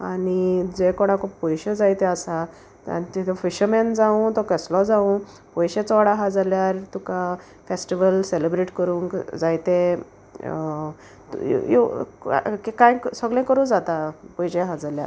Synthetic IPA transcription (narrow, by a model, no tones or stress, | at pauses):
anid͡zekɔɽ̃ãkõpɔjɕed͡zajt̪ẽasa | t̪ã̰t̪et̪ʰefiɕəmend͡zaũt̪ɔkəslɔd͡zaũ | pɔjɕet͡sɔʋaɽaɦãd͡zaljaɾt̪uka | fesʈiʋəlselebɾeʈkəɾũːŋkd͡zajt̪e | t̪jo̰ | kikãjksəɡlẽkəɾũd͡zat̪apɔjɕeɦad͡zalja̰ɾ